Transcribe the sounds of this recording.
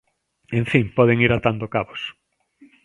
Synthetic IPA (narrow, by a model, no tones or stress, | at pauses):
eɱfiŋpɔðeŋiɾat̪and̪okaβos